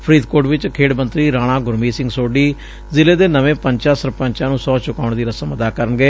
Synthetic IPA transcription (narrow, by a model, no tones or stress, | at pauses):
pʰɾiːd̪koːɾɖʋɪt͡ʃkʰeːɽmənt̪ɾiːɾãːɽ̃ãːɡʊɾmiːsɪ̃ŋɡsoːɖiː | zɪleːd̪eːnəʋẽːpəɲt͡ʃaːsəɾpəɲt͡ʃãːnũːsɔːt͡ʃʊkaːʊɳd̪iːɾəsəməd̪aːkəɾənɡeː